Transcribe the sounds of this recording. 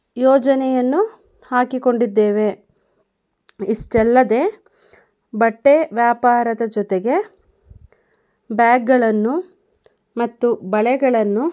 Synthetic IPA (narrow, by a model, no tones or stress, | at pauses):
jɔːd͡ʒɐnɛjɐnːu | haːkiko̞ɳɖid̪ːe̞ːʋe̞ | iʂʈɛlːɐd̪e̞ː | bɐʈːeʋjaːpaːɾɐd̪ɐd͡ʒɔt̪eɡe̞ | bjaːɡːɐɭɐnːu | mɐt̪ːubɐɭɛɡɐɭɐnːu